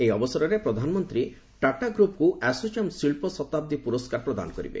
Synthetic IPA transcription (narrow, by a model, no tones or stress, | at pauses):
ejɔbɔsɔɾɔɾepɾɔd̪ʱanɔmɔnt̪ɾi | ʈaʈaɡɾupkuʔɛsot͡ʃamsiɭpɔsɔt̪ab̚d̪ipuɾɔskaɾpɾɔd̪a̰nɔkɔɾḭbḛ